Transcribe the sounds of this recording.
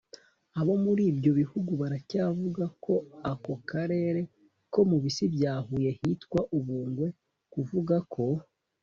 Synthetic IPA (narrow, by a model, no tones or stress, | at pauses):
aβo̞muɾiːbjo̞βihuɡuβaɾacaːvuɡakʰo̞ako̞kaɾe̞ːɾe̞ | ko̞muβisibjaːhuje̞hitkwaʔuβuːŋɡwe̞ | kuvuɡakʰo̞